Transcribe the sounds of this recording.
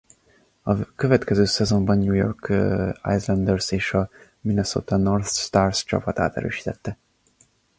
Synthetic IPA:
ɒkøvɛt̪kɛzøːsɛzo̞mbɒnɲujo̞̰rka̰jslɛnd̪ɛrseːʃɒ | minoso̰ːt̪ɒnorθʃt̪aːrst͡ʃɒ̰pɒt̪aːt̪ɛ̰ɾø̰ːʃi̥ːt̪ɛt̪ːɛ

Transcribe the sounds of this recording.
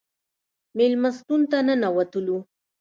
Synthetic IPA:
mɪlmast̪ʊnt̪ananawat̪ʊlu

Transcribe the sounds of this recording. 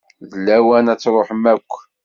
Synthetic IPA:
ðəlːæwænæt͡sːɾˤoħəmækʷː

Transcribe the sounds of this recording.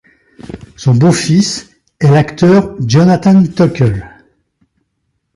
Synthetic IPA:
sɔ̃bofis | ɛlakt̪œʁd͡ʒɔnat̪ant̪ɔkʲɛl

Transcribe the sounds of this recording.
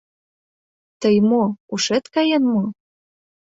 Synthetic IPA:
t̪əjmouʃet̪kɑjenmo

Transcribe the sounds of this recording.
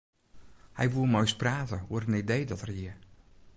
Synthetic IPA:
hɛjʋulˠmojspraːtəuərənidejdɔtərjiə

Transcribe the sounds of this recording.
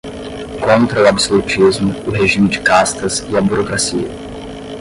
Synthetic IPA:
kõnt̪ɾɐʊabsolut͡ʃizmʊːɦeʒĩmɪd͡ʒɪkast̪ɐzɪɐbuɾokɾasiɐ̰

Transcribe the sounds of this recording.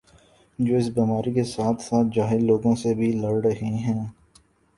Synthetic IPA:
d͡ʒoːɪs̬biːmaːɾikesaːt̪ʰsaːt̪̚ʰd͡ʒaːɦɪlloːɡõsebʱilɐɾɾɐɦeɦɛ̃ː

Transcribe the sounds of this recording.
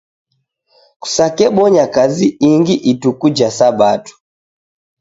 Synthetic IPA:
ku̥sakɛɓɔɲakaziiŋɡiʔitukud͡ʒasabatu̥

